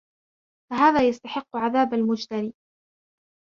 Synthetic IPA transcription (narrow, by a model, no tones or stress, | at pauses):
faɦaːðaːjast̪aħɪqːʊʕaðaːbalmʊd͡ʒt̪aɾiː